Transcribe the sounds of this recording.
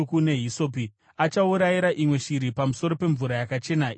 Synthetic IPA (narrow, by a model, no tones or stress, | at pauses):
kune̞ɦisopi | at͡ʃauɾajiɾaʔimwe̞ʃiɾipamuso̞ɾo̞pe̞ɱvuɾajakat͡ʃe̞nai